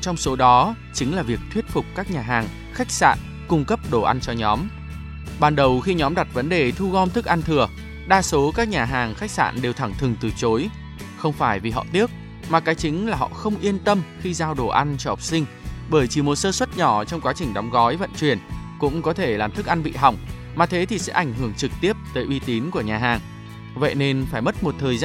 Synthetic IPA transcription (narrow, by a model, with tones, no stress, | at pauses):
t͡ɕɔ˧wŋ͡mso˨˦ɗɔ˨˦ | t͡ɕï˨˦ŋ̟laː˨˩vi˨˩ək̚t̪ʰwət̚fʊ˨˩k͡p̚kaː˦˥k̚ɲaː˨˩ɦaː˨˩ŋ | xa˦˥jk̚sa̰ː˧˨n | kʊ˧ŋ͡mkə˦˥p̚ɗo˧˩ʔa˧nt͡ɕɔ˧ɲɔ˨˦m | ɓaː˨˩nɗə˨˩wxi˧ɲɔ˨˦mɗa˨˩t̚və˨˦nɗe˨˩t̪ʰu˧ɣɔ˧nt̪ʰɨ˦˥k̚ʔa˧nt̪ʰɨ˨˩ə | ɗaː˧so˨˦kaː˦˥k̚ɲaː˨˩ɦaː˨˩ŋxa˦˥k̚sa̰ː˧˨nɗe˨˩wt̪ʰa˧˩ŋt̪ʰɨ˨˩əŋt̪ɨ˨˩t͡ɕo˨˦j | xə˧wŋ͡mfaː˧˩jvi˨˩ɦɔ̰˧˨t̪i˦˥ək̚ | maː˨˩kaː˨˦jt͡ɕï˨˦ŋ̟laː˨˩ɦɔ̰˧˨xə˧wŋ͡mʔi˧ənt̪ə˧mxi˧zaː˧wɗo˧˩ʔa˧nt͡ɕɔ˧ɔ˨˩p̚sï˧ŋ̟ | ɓəː˧˩jt͡ɕi˨˩mo˨˩t̚səː˧swə˦˥t̚ɲɔ˧˩t͡ɕɔ˧wŋ͡mkwaː˨˦t͡ɕï˨˩ŋ̟ɗa˨˦wŋ͡mɣɔ˨˦jvə̰˧˨nt͡ɕwi˨˩ənkʊ̰˧˥ŋ͡mkɔ˨˦t̪ʰe˧˩laː˨˩mt̪ʰɨ˦˥k̚ʔa˧nɓḭ˧˨ɦa˨˩wŋ͡m | maː˨˩t̪ʰe˨˦t̪ʰi˨˩sɛ̰˧˥ʔa˧˩jŋ̟ɦɨ˧˩əŋt͡ɕɨ˨˩k̚t̪i˦˥əp̚t̪əː˨˦jʔi˧˦t̪i˨˦nku˧˩əɲaː˨˩ɦaː˨˩ŋ | və̰˧˨jne˧nfaː˧˩jmə˦˥t̚mo˨˩t̚t̪ʰəː˨˩jza